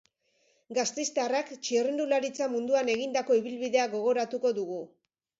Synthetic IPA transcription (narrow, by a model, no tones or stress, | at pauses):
ɡast̪est̪arakt͡ʃirind̪ulaɾit͡samund̪uane̞ɣind̪ako̞iβilβiðe̞aɡo̞ɣ̞o̞ɾat̪uko̞ðuɣu